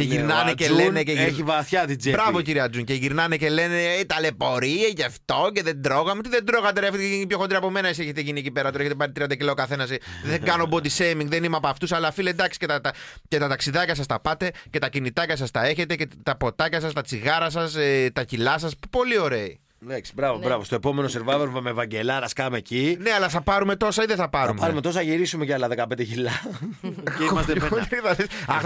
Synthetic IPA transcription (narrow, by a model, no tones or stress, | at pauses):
ceʝiɾnɐneceleneceeçivɐθçɐt̪ibɾɐvociɾiɐd͡zuɲceʝiɾnɐnece̞le̞net̪ɐlepo̞ɾiecɐft̪o̞ce̞ðed̪ɾo̞ɣɐmet̪iðend̪ɾo̞ɣɐt̪eɾeɐfit̪einipço̞xod̪ɾiɐpo̞me̞nɐisieçet̪eʝiniecipeɾɐt̪oeçet̪epɐɾit̪ɾiɐnd̪ɐcilokɐθe̞nɐsðeɡɐno̞bod̪isemiŋɡðenimeɐpɐft̪usɐlɐfiled̪ɐksi̥cet̪ɐt̪ɐce̞t̪ɐt̪ɐksiðɐcɐs̬ɐst̪ɐpɐt̪e̞ce̞t̪ɐcinit̪ɐcɐs̬ɐst̪ɐe̞çe̞t̪e̞cet̪ɐpo̞t̪ɐcɐsɐst̪ɐt͡siɣɐɾɐs̬ɐset̪ɐcilɐs̬ɐspo̞lio̞ɾe̞i | leksi̥bɾɐvobɾɐvost̪oepo̞me̞noseɾvɐvoɾmɐmevɐɲɟelɐɾɐskɐmecineɐlɐθɐpɐɾume̞t̪o̞sɐiðeθɐpɐɾumɐɾumet̪o̞s̬ɐʝiɾisumeceɐlɐðekɐpend̪eçilɐ | imɐst̪eoθɐðesɐx